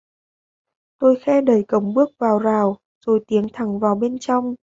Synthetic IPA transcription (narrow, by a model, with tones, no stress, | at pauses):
t̪o˧jxɛ˧ɗə˨˩jkə˨˩wŋ͡mɓɨ˦˥ək̚vaː˨˩wzaː˨˩w | z̥o˨˩jt̪i˨˦əŋt̪ʰa˧˩ŋvaː˨˩wɓe˧nt͡ɕɔ˧wŋ͡m